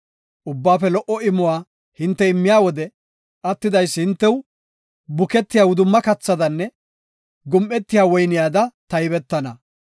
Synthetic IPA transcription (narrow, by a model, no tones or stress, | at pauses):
ʔʊbːaːfɛlɔʔɔɪmːʊwaː | hɪnt̪ːɛɪmːɪjaːwɔd̪ɛ | ʔɐt̪ːɪd̪ɐjsːhɪnt̪ːɛw | bʊkɛt̪ːɪjaːwʊd̪ʊmːɐkɐt͡sːɐd̪ɐnːɛ | ɡʊmʔɛt̪ːɪjaːwɔjnɪjaːd̪ɐt̪ɐjbɛt̪ːɐnɐ